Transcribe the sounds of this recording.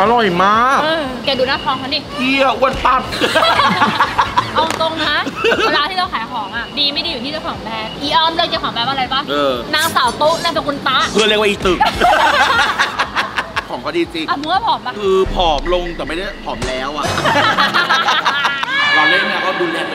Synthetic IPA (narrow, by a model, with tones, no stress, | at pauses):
ʔa˧lɔ˨˩jmaː˥˩kʔɤː˧ | kɛː˨˧˩duː˧˩naː˥˩kʰɔː˧˦ŋkʰa˧˥niː˧˩pʰi˧˩ɐ˨ʔu˧˩ə˨np̪a˧˩t̪̚ | ʔɔ˧t̪o˧ŋka˦˥˧laː˧˥˩t̪ʰiː˥ɾa˧wkʰaː˨˦jkʰɔː˨˩˦ŋʔa˨˩diː˧ma˥˩jdiː˧ju˨˩t̪ʰiː˥˩a˧˥˩kʰɔː˨˩˦ŋpɛː˧˥pʔiː˧˩ʔaː˧mlɤː˧˥˩k̚t͡ɕaː˧˩kʰɔː˨˩˦ŋpɛː˦˥pʔɾa˧jba˦˥˩ʔɤː˧naː˧ŋsaː˨˦wt̪uː˦˥˩naː˥˩pe˧˨nkʰu˧nt̪aː˦˥˩kʰɯ˧lkwa˧˨iː˨˩t̪ɯ˨˩k̚ | kʰɔː˩˦ŋkʰa˦˥˦diː˧t͡ɕi˧ʔa˧˩muː˧˦waː˥˩pʰɔː˨˩˦ma˧˩kʰɯː˧pʰɔː˩˦mlo˧ŋt̪ɛː˨˩ma˥jda˥˩jpʰɔː˩˦mlɛː˨˦˥wʔa˨˩˧ | waː˧leː˥˩nː˦˧˩kɔː˥˩duː˧lɛː˧˩ŋ˧